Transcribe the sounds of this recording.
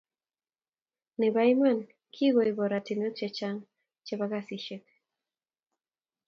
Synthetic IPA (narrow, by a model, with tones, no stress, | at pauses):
nɛ˨ba˦jma˦˨n | kʰi˦ɣo˨i˨bɔ˨ɾa˨ti˨nɔ˦t͡ʃɛ˨t͡ʃa˦ŋ | t͡ʃɛ˦ba˦ka˦si˨ʃe˦k̚